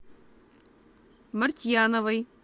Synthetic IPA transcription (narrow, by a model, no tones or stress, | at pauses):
mɐɾt̪ʲjaːnɐʋɐj